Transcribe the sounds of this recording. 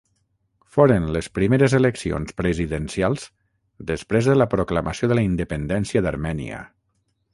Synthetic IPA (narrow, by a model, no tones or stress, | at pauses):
foɾənləspɾimeɾəzeləksio̰nspɾəziðənsialˠz̥ | d̪əspɾezðələpɾokləməsioðələind̪əpənd̪ɛnsiəðəɾmɛnḭə̰